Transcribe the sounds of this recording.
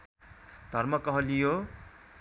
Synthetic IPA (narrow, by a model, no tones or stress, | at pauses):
d̪ʱʌɾmʌkʌɦʌ̃lijo